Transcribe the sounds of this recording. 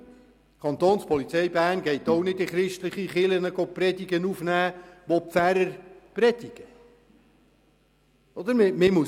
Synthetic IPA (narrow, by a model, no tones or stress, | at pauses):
kʰɑnt̪oːnspʰɔlit͡sɛjbæːɾnɡɛɪt̪ɔwnɪdɪχɾɪʃtləχiχɪlənəɡ̥oprɛdiɡənufnæːʋɔpfæɾəɾprɛd̥̪ɪɡ̥ə | ɔd̪əɾmɪmɪmu